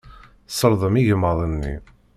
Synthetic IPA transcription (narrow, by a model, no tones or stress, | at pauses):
səɾˤðˤəmiʝəmːəðˤənːḭ